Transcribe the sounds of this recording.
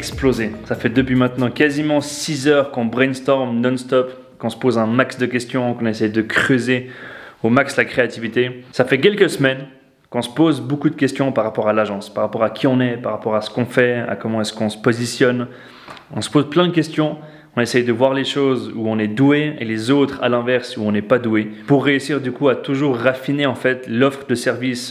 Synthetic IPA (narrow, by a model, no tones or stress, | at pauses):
ɛksplozesafɛd̪əpɥimɛ̃t̪nɑ̃kazimɑ̃sizœʁkɔ̃bʁɛnst̪ɔʁmnɔnst̪ɔp | kɔ̃sə̥pozɛ̃maksd̪əkʲɛst̪jɔ̃kɔ̃nɛsɛjd̪əkχøzeomakslakχeat̪ivit̪esafɛk̬ʲɛlkəsəmɛn | kɔ̃sə̥pozbokud̪əkʲɛst̪jɔ̃paʁapɔʁalaʒɑ̃spaʁapɔʁakʲʰiɔ̃nɛpaʁapɔʁasə̥kɔ̃fɛa̰kɔmɑ̃ɛskɔ̃sə̥pozisjɔn | ɔ̃sə̥pozplɛ̃d̪əkʲɛst̪jɔ̃ | kɔ̃nesɛjd̪əvwaʁleʃozuɔ̃nɛd̪ueelezot̪χa̰lɛ̃vɛʁsuɔ̃nɛpad̪uepuʁːeysiʁd̪ykuat̪uʒuːʁːafineɑ̃fɛt̪lɔfχəd̪əsɛʁvis